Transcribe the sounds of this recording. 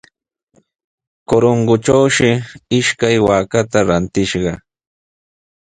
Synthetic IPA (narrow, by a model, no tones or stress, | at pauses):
koɾoŋɢʊʈ͡ʂawʃɪɪʃkajwaːkat̪aɾant̪ɪʃɢɑ